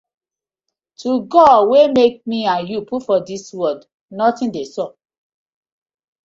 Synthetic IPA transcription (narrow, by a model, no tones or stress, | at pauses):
tʰuɡɔdwemek̚miãnjupʰufɔdiswɔd | nɔtĩndesɔ